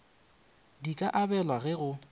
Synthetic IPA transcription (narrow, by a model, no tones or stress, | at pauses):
dikʼaʔabɛlwaɣɛɣʊ